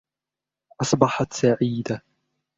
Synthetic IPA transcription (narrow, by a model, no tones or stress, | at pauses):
ʔɑsˤbɑħɑt̪saʕiːd̪a